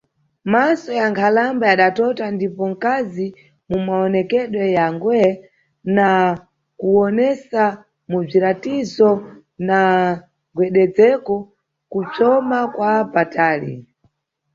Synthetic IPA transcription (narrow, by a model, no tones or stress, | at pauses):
masɔjaŋkʰalambajaɗatɔtandipɔŋ̩kazi | mumaɔnɛkɛɗwɛjaŋɡwɛ | na | kuɔnɛsa | mub͡ʐiɾatizɔ | na | ɡwɛɗɛd͡zɛkɔ | kut͡sɔmakwapataːlḭ